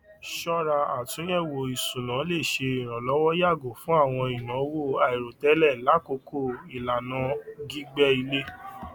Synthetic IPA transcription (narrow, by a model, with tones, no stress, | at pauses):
ʃɔ˦ɾa˧a˨tũ˨˦jɛ˦˨wo˨i˨sũ˨nã˨˦le˦˨ʃe˧i˨ɾ̃ɔ̃˨lɔ˨˦wɔ˦ja˦˨ɡo˨fũ˦a˦˨w̃ɔ̃˧i˨nã˨˦wo˦˨a˨i˨ɾo˨tɛ˨˦lɛ˦˨la˨˦ko˧ko˦˨i˨la˨nã˨˦ɡi˦ɡ͡bɛ˦i˧le˦